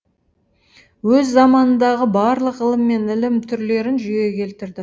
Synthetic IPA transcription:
wɵzːɑmɑnənd̪ɑʁəbɑɾlˠəqəlˠəmːe̞nɪlɪmt̪ʰʏɾle̞ɾɪnʒʏje̞kʲʰe̞lt̪ɪɾd̪ɪ

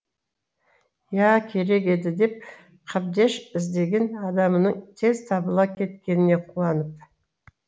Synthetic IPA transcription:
jækʲʰe̞ɾe̞kʲe̞d̪ɪd̪e̞p̚ | qʰɑb̚d̪e̞ʃɪzd̪e̞ɡʲe̞nɑd̪ɑmənəɴt̪ʰe̞zt̪ʰɑbəlˠɑkʲʰe̞t̪kʲe̞nɪne̞qʰuɑnəpp̚

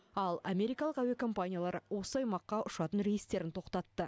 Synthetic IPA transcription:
ɑlˠamʲe̞ɾijkɑlˠəqæwekʰo̞mpanʲijalˠɑɾəwo̞səɑjmɑqːɑʔʊʃɑt̪ənɾe̞jɪst̪e̞ɾɪnt̪ʰo̞qt̪ɑt̪ːə

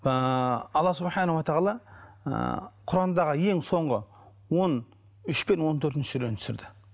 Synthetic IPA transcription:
ɑlˠːɑsʊbħɑnawot̪ʰɑʁɑlˠɑ̰ | qʰʊɾɑnd̪ɑʁəje̞ŋso̞ɴʁə | wo̞n | ʏʃpe̞nwo̞nt̪ʰɵɾt̪ɪnʃɪ̥ʒɪɾennt̪ʰʏ̥sɪɾd̪ɪ

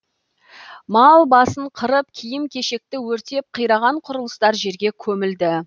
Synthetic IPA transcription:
mɑlˠbɑsəɴqʰəɾəp̚kʲʰijɪmkʲʰe̞ʃe̞k̚t̪ɪwɵɾt̪e̞p̚qʰəjɾɑʁɑɴqʰʊɾəlˠəst̪ɑɾʒe̞ɾɡʲe̞kʲʰɵmɪld̪ɪ

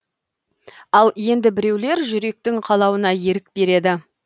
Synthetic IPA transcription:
ɑlˠje̞nd̪ɪbɪɾe̞wle̞ɾʒʏɾe̞k̚t̪ɪŋqʰɑlˠɑwənɑje̞ɾɪk̚be̞ɾe̞d̪ɪ

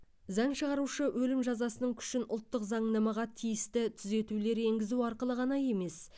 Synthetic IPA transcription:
zɑɴʃəʁɑɾuʃəwʔɵlɪmʒɑzɑsənəŋkʲʰʏ̥ʃɪnʔʊ̰lˠt̪ːəqzɑɴnɑmɑʁɑt̪ʰijɪst̪ɪt̪ʰʏze̞t̪ule̞ɾe̞ŋɡʲɪzuɑɾqəlˠəʁɑnɑje̞me̞s

